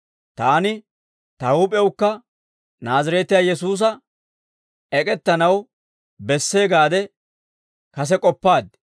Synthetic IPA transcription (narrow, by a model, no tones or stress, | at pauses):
t̪aːnɪ | t̪ɐuːpʼɛwkːɐ | naːzɐɾɛt̪ɪjaːjɛsuːs̬ɐ | ɛkʼɛt̪ːɐnɐw | bɛsːeːɡaːd̪ɛ | kɐs̬ɛkʼɔpːaːd̪